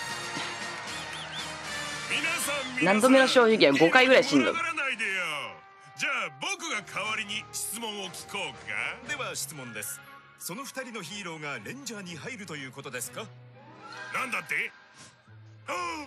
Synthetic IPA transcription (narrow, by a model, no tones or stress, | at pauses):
mʲinasãmʲnãnd̪o̞menoɕo̞ːʑiɡẽ̞ŋɡo̞kaiɡɯ̟ɾaiɕĩnd̪o̰manaid̪ejo | d͡ʑaːbo̞kɯ̟ɡakʰaβaɾʲiɲ̟iɕi̥t͡sɨmõ̞ɰ̃okʲi̥kʰo̞ːkʰa̰d̪e̞βaɕi̥t͡sɨmõ̞nd̪e̞sɨ̥ | so̞no̞ɸɯ̥t̪aɾʲino̞çiːɾo̞ːɡaɾẽ̞ɲ̟d͡ʑaːɲ̟iɦaiɾɯ̟t̪o̞jɯ̟ːko̞t̪o̞d̪e̞sɨ̥ka | nãnd̪at̪ːe